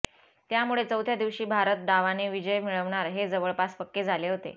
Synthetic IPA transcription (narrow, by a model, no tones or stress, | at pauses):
t̪jamuɭet͡səwt̪ʰjad̪iʋɕiːbʱaɾət̪̚d̪aʋaneʋid͡ʑəjmiɭəʋɳaɾɦed͡zəʋəɭpaspəkːed͡zʱaleɦot̪ḛ